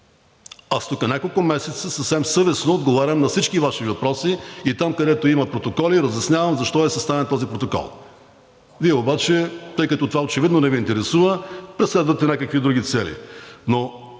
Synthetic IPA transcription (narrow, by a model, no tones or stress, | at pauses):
ast̪ukənʲakolˠkʊmɛsɛt̪səsəfsɛmsɤvɛsnoːd̪ɡovaɾʲɐmnɐfsit͡ʃkivaʃivɐpɾɔsiit̪amkɐd̪ɛt̪oiməpɾot̪okɔliɾɐzʲjɐsnʲavɐmzɐʃt̪ɔɛsɛst̪avɛnt̪ɔzipɾot̪okɔ̰lˠ | viɛobat͡ʃɛt̪ɤjkɐt̪ɔt̪ovaot͡ʃɛvid̪nonɛviːnt̪ɛɾɛsuvəpɾɛslɛd̪vət̪ɛnʲakəkvid̪ɾuɡʲit̪sɛlḭno